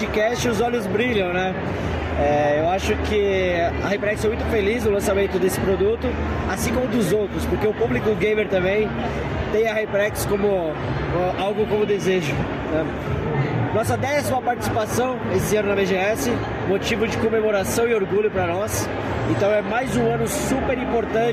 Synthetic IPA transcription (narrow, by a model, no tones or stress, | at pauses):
d͡ʒɪkɛst͡ʃɪʊzɔʎʊzbɾiʎɐ̃w̃nɛ | ɛewaʃʊkɪɐhepɾɛksɛmũj̃t̪ʊfeliznʊlɐ̃samẽnt̪ʊd̪esɪ̥pɾod̪ut̪ʊ | asĩkõmʊd̪ʊzowt̪ɾʊspoɾkeʊpublikʊɡẽjmeɾt̪ɐ̃mbẽj̃ | t̪ẽj̃ɐhepɾɛkskõmʊ | awɡʊkõmʊd̪ezeʒʊ | nɛ | nɔsɐd̪ɛsimɐpaɾt͡ʃi̥si̥pasɐ̃w̃esɪɐ̃nʊnɐbeʒeɛsɪ | mot͡ʃivʊd͡ʒɪkomemoɾasɐ̃w̃ɪoɾɡuʎʊpɾɐnɔs | ẽnt̪ɐ̃w̃ɛmajzũɐ̃nʊsupeɾĩpoɾt̪ɐ̃